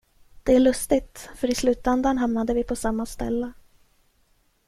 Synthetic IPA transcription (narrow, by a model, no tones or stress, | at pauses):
d̪̥ɛæɭɵst̪ɪt̪fœɾɪslʉ̟ːt̪ɛnd̪aɳɦamnad̪əvɪpʰɔsamːast̪ɛ̰lːə